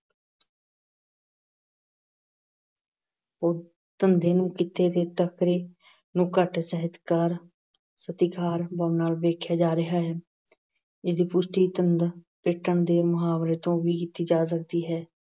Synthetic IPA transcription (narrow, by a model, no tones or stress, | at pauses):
oː | t̪ənd̪eːnũːkɪt̪eːd̪eːʈəkɾeː | nũːkəʈsəɦɪt̪kaːɾ | sət̪ɪkʰaːɾbəːnaːlʋeːkʰjaːd͡ʒaːɾɪɦaːɦɛː | ɪsd̪iːpʊsʈiːt̪ənd̪pɪʈːəɳd̪eːmʊɦaːʋɾeːt̪õːʋiːkɪt̪ːiːd͡ʒaːs̬əkd̪iːɦɛː